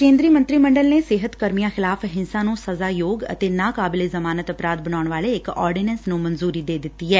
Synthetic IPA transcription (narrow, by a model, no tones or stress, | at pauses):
kẽːnd̪ɾiːmə̃nt̪ɾiːməɳɖəlneːsɪɦət̪kəɾmijãːxɪlaːfɦɪnsãːnũːsəzaːjoːɡə̰t̪eːnãːkaːbɪleːzəmaːnət̪əpɾaːd̪̚bəñaːʊɳ̃ʋaːleɪkɔːɾɖiːnə̃nsnũːmənzuːɾiːd̪eːd̪ɪt̪ːiːɦɛː